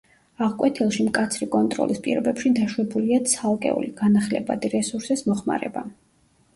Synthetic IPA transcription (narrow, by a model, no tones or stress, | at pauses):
aʁkʼwʔɛt̪ʰilˠʃimkʼat̪sʰɾikʼɔnt̪ʼɾɔ̰lʔispʼḭɾɔbɛpʃid̪aʃwɛbuliat̪sʰalˠkʼɛ̰ṵliɡ̥anaχlɛba̰d̪iɾɛsuɾsismɔχma̰ɾɛ̰ba̰